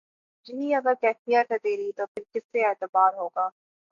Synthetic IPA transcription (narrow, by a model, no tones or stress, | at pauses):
d͡ʒɪnĩɐɡəɾkɛːkmijaʈ̪ʰɛt̪eːɾit̪opʰɪɾkɪsːeɛːt̪əbaːɾɦoːɡaː